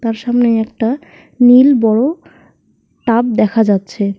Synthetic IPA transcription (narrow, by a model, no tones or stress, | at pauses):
t̪aɾʃamneɛk̚ʈa | nilbɔɽo | ʈap̚d̪ɛkʰad͡ʑatːɕʰe